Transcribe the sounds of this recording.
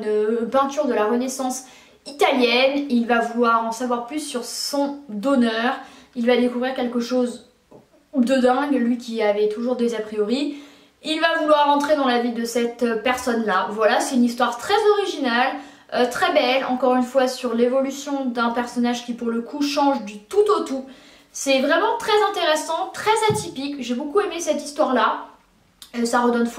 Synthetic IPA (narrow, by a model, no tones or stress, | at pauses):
npɛ̃t̪yʁd̪əlaʁənesɑ̃s | it̪aljɛnilvavulwaʁɑ̃savwaʁplysːyʁsɔ̃d̪ɔnœʁilvad̪ekuvʁiʁkʲɛlkəʃoz | ud̪əd̪ɛ̃ɡlɥikʲiavɛt̪uʒuʁd̪ezapχijɔʁi | ilvavulwaʁːɑ̃t̪χed̪ɑ̃lavid̪əsɛt̪øpɛʁsɔnlavwalasɛt̪ynist̪waʁt̪χɛzɔʁiʒinal | øt̪χɛbɛlɑ̃kɔʁynfwasyʁlevɔlysjɔ̃d̪ɛ̃pɛʁsɔnaʒkʲipuʁləkʰuʃɑ̃ʒd̪yt̪ut̪ot̪u | sɛvʁɛmɑ̃t̪χɛzɛ̃t̪eʁesɑ̃t̪χɛzat̪ipikʒebokuemesɛt̪ist̪waʁla | əsaʁəd̪ɔnf